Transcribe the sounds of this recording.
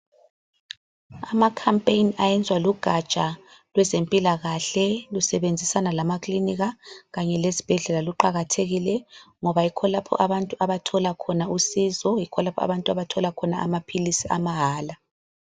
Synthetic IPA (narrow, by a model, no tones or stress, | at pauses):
amakʰampʼejniajɛnd͡zʱwaluɡ̥ʱat͡ʃʼalwɛzempʼilaɣaɬɛlusɛβend͡zʱisanalamakʰliniɣaɣaɲɛlezib̥ʱɛɮɛlaluǃaɣatʰeɣilɛ | ŋɔβaikʰɔlapʰɔ̰ʔaβantʼuʔaβatʰɔlakʰɔnausiːzɔikʰɔlapʰɔa̰βantʼuaβatʰɔlakʰɔnaa̰mapʰilisiʔa̰maɦaːla